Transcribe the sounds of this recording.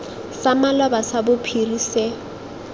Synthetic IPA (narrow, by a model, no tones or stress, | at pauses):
samalɔbasabʊpʰirise